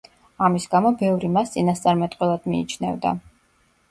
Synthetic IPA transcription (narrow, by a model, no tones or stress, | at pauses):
amisɡamɔbɛvɾimast̪sʼinast̪sʼaɾmɛt̪ʼqʼwɛlˠad̪̥mḭːt͡ʃʰnɛvd̪a̰